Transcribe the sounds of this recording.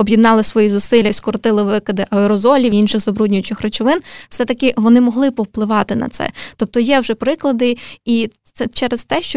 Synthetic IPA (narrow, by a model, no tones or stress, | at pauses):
ɔbʲjid̪nɑlˠɪsʋɔjizʊsɪlʲːɐskɔɾɔt̪ɪlˠɪʋɪkɐd̪ɪʔɐɛɾɔzɔlʲiʋinʃɪɣzɐbɾudʲnʲʊjʊt͡ʃɪxrɐt͡ʃɔʋɪnwsɛt̪ɐkɪʋɔnɪmɔɦlˠɪpɔwplˠɪʋɑt̪ɪnɐ̰t̪sɛ̰t̪ɔp̚t̪ɔjɛwʒɛpɾɪklˠɐd̪ɪi | ɛt͡ʃɛɾest̪ɛʃt͡ʃɔ